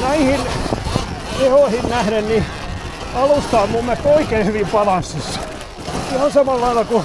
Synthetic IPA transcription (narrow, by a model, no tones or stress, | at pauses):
næihin | ehoihinnæhɾenni | ɑlust̪ɑːlmummet̪ːoikeihyʋimpɑlɑnsːisɑ̥ | ihɑnsɑmɑlːɑilːɑku